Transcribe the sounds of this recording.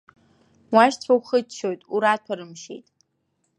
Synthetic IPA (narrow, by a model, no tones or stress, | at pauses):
waʃtʰʷᶣawχət͡ʃʰːojtʼuɾatʷʰaɾɨmʃḛjtʼ